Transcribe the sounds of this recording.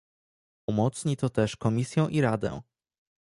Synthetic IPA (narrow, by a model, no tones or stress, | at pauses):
umɔt̪sɲit̪ɔt̪ɛʂkɔmʲisʲjɛ̃w̃ʔiɾad̪ɛ̰̃